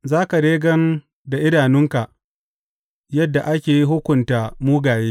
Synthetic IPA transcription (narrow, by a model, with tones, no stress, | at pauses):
zaː˦ka˨ɾeː˦ɡɐ˦n | da˨ʔɪ˦ɽaː˨nɪ˦ŋka˨ʔ | jɐ˦dːa˨ʔa˦kʲeː˨ji˦ɦʊ˦kʷʊ˨ntaː˨muː˦ɡaː˨jeː˦